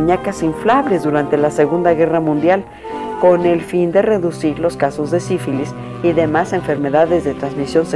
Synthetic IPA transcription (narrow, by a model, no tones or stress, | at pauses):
ɲakasiɱflaβle̞zðuɾant̪elase̞ɣund̪aɣe̞ramũnd̪jal | ko̞ne̞lfind̪e̞re̞ðusiɾlo̞skaso̞zðe̞sifilis | iðe̞mase̞ɱfe̞ɾme̞ðaðe̞zðe̞t̪ɾanzmisjo̞nse